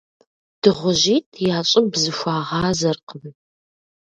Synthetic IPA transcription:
d̥ɨʁʷʊʑiːtʰjaːɕʼɪbzɨxʷaːʁɑːzɐrqʰən

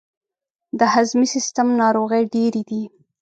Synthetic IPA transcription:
d̪əhazmisist̪amnɑɾoɣəjɖeɾid̪i

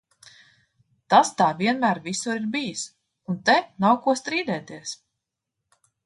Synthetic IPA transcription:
t̪ast̪aːvʲiɛnmæːɾvisuɾiɾbijis | unt̪ɛnawkuɔst̪ɾiːd̪ɛːt̪iɛs

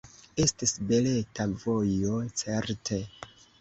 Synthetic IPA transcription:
e̞stisbe̞le̞tavo̞jo̞t͡se̞ɾtʰe̞

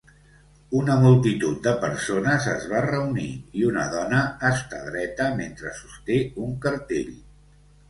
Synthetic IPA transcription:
unəmulˠt̪it̪ut̪̚d̪əpəɾsonəzəzβarəunḭiunə̰ðɔnəːst̪a̰ðɾɛt̪əment̪ɾəsust̪euŋkəɾt̪ḛʎ

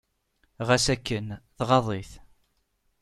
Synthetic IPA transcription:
ʁæsækːənθʁɑðˤiθ

